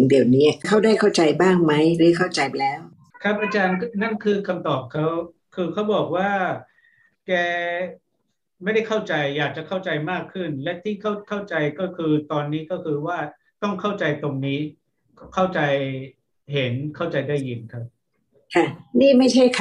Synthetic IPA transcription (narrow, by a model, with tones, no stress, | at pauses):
ŋdi˨˩əwniː˦˥kʰa˥˩wdaː˥˩jkʰa˥˩wt͡ɕa˧jbaː˥˩ŋma˦˥jɾɯ˨˦˥kʰa˥˩wt͡ɕa˧jlɛː˦˥w | kʰɾa˦˥p̚ʔa˧t͡ɕaː˧nna˥˩nkʰɯː˧kʰa˧mt̪ɔː˨˩p̚kʰa˦˥w | kʰɯː˧kʰa˦˥wbɔː˨˩k̚waː˥˩ | kɛː˧ | ma˥˩jda˥˩jkʰa˥˩wt͡ɕa˧jːaː˨˩k̚t͡ɕa˨˩kʰa˥˩wt͡ɕa˧jmaː˥˩kʰːɯ˥˩nlɛ˦˥t̪ʰiː˥˩kʰa˥˩wkʰa˥˩wt͡ɕa˧jkɔː˥˩kʰɯː˧t̪ɔː˧nːiː˦˥kɔː˥˩kʰɯː˧waː˥˩ | t̪ɔ˥˩ŋkʰa˥˩wt͡ɕa˧jt̪o˧ŋniː˦˥ | kʰa˥˩wt͡ɕa˧j | ɦe˩˦nkʰa˥˩wt͡ɕa˧jdaː˥˩jːɯ˧nkʰa˦˥p̚ | kʰa˥˩niː˥˩ma˥˩jt͡ɕʰa˥˩jkʰa˧